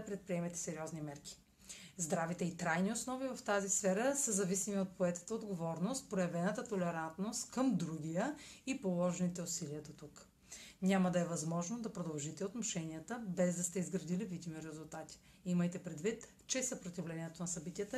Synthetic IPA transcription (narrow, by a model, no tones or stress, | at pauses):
pɾɛt̪̚pɾiɛmɛt̪ɛ̥sɛɾiɔznimɛɾkʲi̥ | zd̪ɾavit̪ɛit̪ɾajniosnɔvivɐft̪azisfɛɾəsəzɐvisimiot̪̚poɛt̪ə̥t̪əod̪ɡovɔɾnost̪̚pɾojɐvɛnət̪ət̪olɛɾant̪nost̪kəmd̪ɾuɡʲijəipolˠɔʒɛnit̪ɛʊsiliəd̪ot̪uk | nʲaməd̪ɐɛvɐzmɔʒnod̪ɐpɾod̪ɐlˠʒit̪ɛot̪muʃɛniət̪əbɛzd̪ɐst̪ɛizɡɾɐd̪ilivid̪imiɾɛzulˠt̪at̪i̥ | iməjt̪ɛpɾɛd̪vit̪ | t͡ʃɛsɐpɾot̪ivlɛnʲiɛt̪onɐsɐbit̪iət̪ə